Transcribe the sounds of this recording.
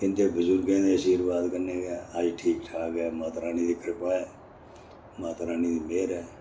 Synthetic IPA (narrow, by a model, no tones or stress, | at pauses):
ɪnt̪eːbəzʊɾɡẽːd̪eːəsiːɾbaːd̪kəneːɡaːaːd͡ʒiːʈʰiːkʈʰaːkɛːmãːt̪ɾaːniːd̪iːkʰəɾpaːɛː | mãːt̪ɾaːniːd̪iːmeːɾɛː